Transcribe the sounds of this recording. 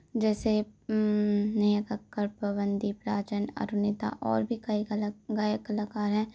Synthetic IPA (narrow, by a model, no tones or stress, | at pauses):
d͡ʒɛːse | nɐjəkəkːəɾpɐbə̃nd̪ipɾaːt͡ʃənɐ̰ɾʊnɪt̪a̰ʔɔ̰ːɾbʱikɐilɡajəkɐləkaːɾɦɛ̃ː